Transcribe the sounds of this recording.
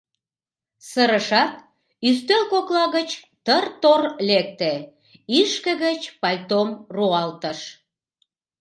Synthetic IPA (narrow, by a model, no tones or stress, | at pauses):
səɾəʃɑt̪̚ | yst̪ølkoklɑɣət͡ɕ | t̪ərt̪orlek̚t̪e | iʃkə̆ɣət͡ɕpɑlʲt̪omruɑlt̪əʃ